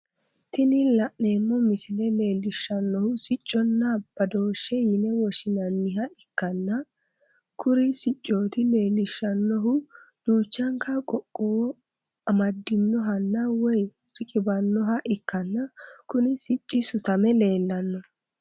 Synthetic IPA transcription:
t̪ɪnɪlɐʔne̞ːmːɔmɪsɪlɛle̞ːlːɪʃːɐnːɔhʊsɪt͡ʃʼːɔnːɐb̥ɐd̪o̞ːʃːɛjɪnɛwɔʃɪnɐnːɪɦɐʔɪkːɐnːɐ | kʰʊɾɪsɪt͡ʃʼːoːt̪ɪle̞ːlɪʃːɐnːɔɦʊ | d̥uːt͡ʃːɐŋkɐkʼɔkʼːoː | ɐmɐd̪ːɪnːɔɦɐnːɐwɔj | r̥ɪkʼɪbɐnːɔɦɐʔɪkːɐnːɐkʊnɪsɪt͡ʃʼːɪsʊt̪ɐmɛle̞ːlːɐnːɔ

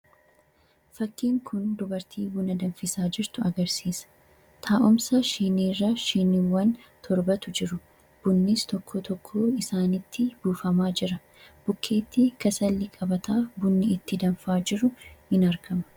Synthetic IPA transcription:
fɐkːiːŋkʰʊnd̪ʊbɐɾt̪ʰiːbʊnɐd̪ɐnfɪsaːd͡ʒɪɾt̪ʊɐɡɐɾsiːsɐ̥ | t̪ʰaːʔʊmsɐʃiːniːrːɐʃiːnɪwːɐnt̪ʰɔɾbɐt̪ʊd͡ʒɪɾʊ | b̥ʊnːiːst̪ɔkʰːɔt̪ʰɔkʰːoːɪsaːnɪt̪ːɪb̥uːfɐmaːd͡ʒɪɾɐ | b̥ʊkʰːe̞ːt̪ːiːkɐsɐlːɪkʼɐbɐt̪aːfbʊnːɪɪt̪ːɪd̪ɐnfaːd͡ʒɪɾʊhɪnɐɾɡɐmɐ̥

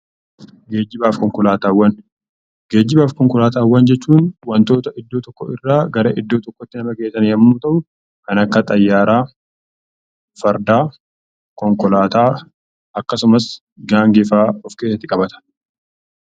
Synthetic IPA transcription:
ɡe̞ːd͡ʒːɪbaːfkɔŋkɔlaːt̪aːwːɐn | ɡe̞ːd͡ʒːɪbaːfkɔŋkɔlaːt̪aːwːɐnd͡ʒɛt͡ʃːuːnwɐnt̪o̞ːt̪ɐɪd̪ːo̞ːt̪ɔkːɔɪrːaːɡɐɾɐʔɪd̪ːo̞ːt̪ɔkːɔt̪ːɪnɐmɐkeːsːɐnihɐmnuːt̪ɐʔʊ | kɐnɐkːɐt̪ʼɐjːaːɾaː | fɐɾd̪aː | kɔŋkɔlaːt̪aː | ɐkːɐsʊmɐs | ɡaːŋɡefaːɔfke̞ːsːɐt̪ːɪkʼɐbɐt̪ʰɐ̥

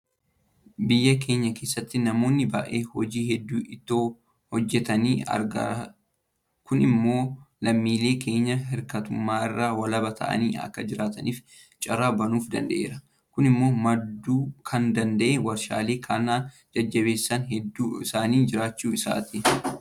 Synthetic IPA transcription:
bɪjːɐk̬ʰe̞ːɲːɐke̞ːsːɐt̪ːɪnɐmo̞ːnːɪbɐ̰ʔeːhɔd͡ʒiːhɛd̪ːuːɪt̪ːoː | hɔd͡ʒːɛt̪ɐniːɐ̰ɾɡɐ̰ | kʊnɪmːo̞ːlɐmːiːle̞ːkʰe̞ːɲːɐɦɪɾkɐt̪ʊmːaːɪrːaːwɐlɐbɐt̪ʰɐ̰ʔɐ̰niːɐ̰kːɐd͡ʒɪɾaːt̪ɐniːf | t͡ʃʼɐɾaːbɐnuːfd̪ɐ̰nd̪ɐ̰ʔḛːɾɐ | kʊnɪmːo̞ːmɐd̪ːuːkʰɐnd̪ɐnd̪ɐʔɛwɐɾʃa̰ːleːkʰanaː | d͡ʒɐd͡ʒːɐbe̞ːsːɐnɦɛd̪ːuːɪsaːniːd͡ʒɪɾaːt͡ʃːuːɪsa̰ːt̪i

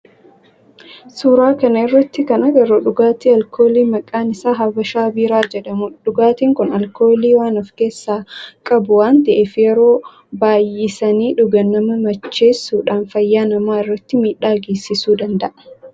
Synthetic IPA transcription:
suːɾaːkɐnɐɪrːɐt̪ːɪkɐnɐɡɛɾoːᶑʊɡaːt̪iːɐlkʰo̞ːliːmɐkʼːaːnɪsaːɦɐbɐʃaːbiːɾaːd͡ʒɛᶑɐmʊᶑʊɡaːt̪iːŋkʊnɐlko̞ːliːwaːnɐfke̞ːsːaːkʼɐbʊwaːnt̪ɐʔɪfɪjɛɾoː | baːjːɪsɐniːᶑʊɡɐnːɐmɐmɐt͡ʃːe̞ːsːuːᶑaːnfɐjːaːnɐmaːɪrːɐt̪ːɪmiːᶑaːɡeːsːɪsuːd̪ɐnd̪ɐʔɐ

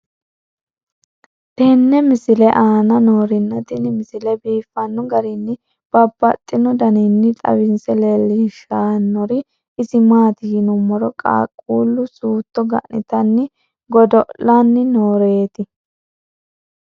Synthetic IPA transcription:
t̪ɛnːɛmɪsɪlɛʔaːnɐnoːɾɪnːɐt̪ɪnmɪsɪlɛbiːfːɐnːɔɡɐɾɪnːɪ | b̥ɐbːɐt̪ʼːɪnɔd̪ɐnɪnːɪt̪ʼɐ̰wɪnsɛlɛlːiʃaːnːɔɾɪ | ɪzɪmaːt̪ɪjɪnʊmːɔɾɔkʼa̰ːkʼuːlːʊsuːt̪ːɔɡɐ̰ʔnɪ̰t̪ɐnːɪ | ɡɔd̪ɔʔanːɪnoːɾeːt̪ɪ

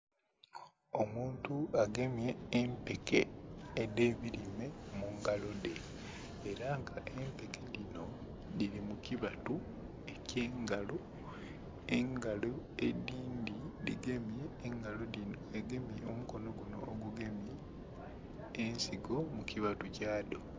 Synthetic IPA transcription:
o̞muːntuaɡe̞mije̞ːmpekʰḛːde̞ːβiɾime̞muŋɡalo̞de̞ː | ɾaŋɡaʔe̞mpe̞ke̞lino̞ | dilimukiβatu | e̞ceːŋɡalo | eŋɡalo̞ediːndilḭɡe̞mjeːŋɡalolino̞eɡe̞mijeomuko̞no̞ɡuno̞̰ːɡuɡe̞mje | nsiɡo̞mukiβatucaːdo̞

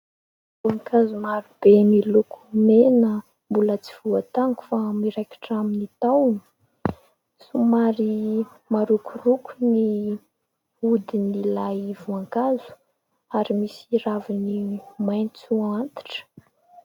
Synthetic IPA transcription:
vuaŋkazumaɾib̥emilukumenə | mbulət͡si̥v̥uat̪aŋku̥famiɾaki̥ʈ͡ʂaminit̪awni̥ | sumaɾi | maɾukurukuni | ud̪inilajvuaŋkazu̥ | aɾimisiravinimajnt͡suant̪i̥ʈ͡ʂə̥

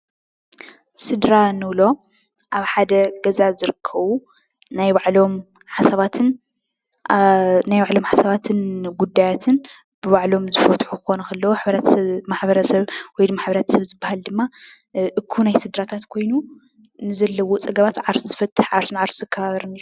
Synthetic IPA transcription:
sɨd̪ɾanɨβlo̞ | ʔaβħad̪ɐɡɐzazɨɾɨkʰːɐβu | najβaʕlo̞m | ħasɐβat̪ʰɨn | najβaʕlo̞mħasɐβat̪ʰɨnɡud̪ːajat̪ʰɨn | b̥ɨβaʕlo̞mzɨfɐt̪ħukɨxo̞nɐkʰɐlːɐwoħβɐɾat̪ʰmaħbɐɾɐsɐβwɔjd̪ɨmaħbɐɾat̪ʰɐ̥sɐβzɨbːahald̪ɨmːa | ʔɨkʰːunajsɨd̪ɾat̪ʰat̪kʰo̞jnu | nɨzɐlːɐwot͡sʼɐɡɐβat̪ʕaɾszɨfɐt̪ʰʼːɨħʕaɾsɨnʕaɾszɨkʰːɐaβɐɾɨnɨ

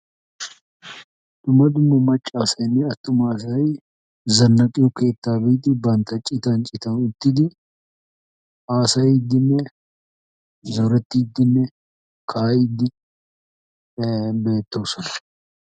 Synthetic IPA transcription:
d̪̥ʊmːɐd̪ʊmːɐmɐt͡ʃʼːaːsɐnːɛɐt̪ːʊmaːs̬ɐi | zɐnːɐkʼɪokeːt̪ːaːbiːt̪ɪbɐnt̪ɐt͡ʃʼɪt̪ɐnt͡ʃʼɪt̪ɐnɪt̪ːɪd̪ɪ | ʔaːsɐɪd̪ɪnːɛ | zɔɾɛt̪ːɪd̪ːɪnːɛ | kʰaːɪd̪ːɪ | be̞ːt̪ːoːsɔn

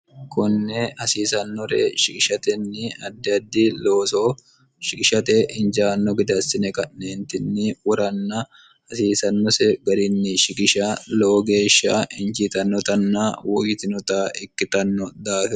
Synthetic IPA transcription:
kʰɔnːɛhɐsiːsɐnːɔɾḛʃɪkʼɪʃɐt̪ɛnːɪɐd̪ːɛɐd̪ːɪloːso | ʃɪkɪʃɐt̪ɛʔɪnd͡ʒaːnːɔɡɪd̪ɐsːɪnɛkɐnːeːnt̪ɪnːɪwɔɾɐnːɐ | hɐsiːsɐnːɔsɛɡɐɾɪnːɪʃɪkʼɪʃaloːɡe̞ːʃːa̰ːɪnd͡ʒit̪ɐnːɔt̪ɐnːaːwɔjɪt̪ɪnɔt̪aːʔɪkːɪt̪ɐnːɔd̪aːfɛ

